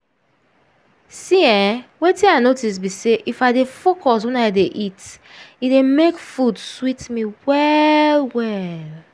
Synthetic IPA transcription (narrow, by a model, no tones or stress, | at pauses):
siɛ̃wetĩaɪnotis̬biseʔifaɪdefokɔs̬wɛ̃naɪdeʔitidemekfudswitmiwɛlwɛl